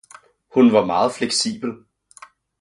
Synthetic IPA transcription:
hunʋɑ̈mɑ̈ːð̩ˠfleɡ̥sḭːb̥l̩

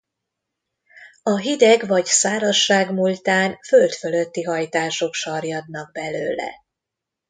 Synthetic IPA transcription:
ɒɦid̪ɛɡvɒɟsaːɾɒʃːaːɡmult̪aːnfølt̪følø̞t̪ːiɦɒjt̪aːʃo̞kʃɒrjɒd̪nɒɡ̚bɛløːlɛ̰

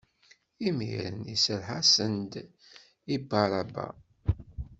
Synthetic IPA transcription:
imḭɾə̰nisəɾħasənd̪ | ibɑɾˤɑba̰

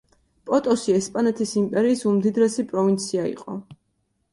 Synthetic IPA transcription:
pʼɔt̪ʼɔsiɛspʼanɛt̪ʰisimpʼɛɾiːsumd̪id̪ɾɛsipʼɾɔvint̪sʰiaḭqʼɔ̰

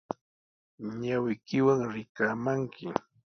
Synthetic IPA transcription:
ɲawɪkɪwaŋɾɪkaːmaŋkʰɪ

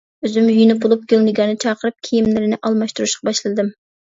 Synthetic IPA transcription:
øzymjyjnɪp̚bolˠup̚ɡʲølnɪɡʲɑnɨt͡ʃʰɑːqʰəɾɨp̚kʲʰijimlɪɾɪnɪʔɑlˠmɑʃt̪uɾuʃqɑbɑʃlˠɨɨd̪ɨm

